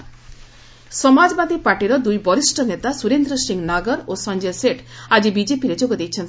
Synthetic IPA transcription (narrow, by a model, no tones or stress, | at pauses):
sɔmad͡ʒɔbad̪ipaɾʈiɾɔd̪ujbɔɾisʈɔnet̪asuɾend̪ɾɔsiŋɡnaɡɔɾosand͡ʒeseʈad͡ʒibid͡ʒepiɾed͡ʒoɡɔd̪ejt͡ʃʰɔnt̪i